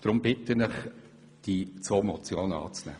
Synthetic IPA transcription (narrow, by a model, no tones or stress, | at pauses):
d̥ɾʊmbɪt̪ənəχ | d̥it͡sʋoːmɔt͡sjoːnɑ̰ːt͡snæ̰ː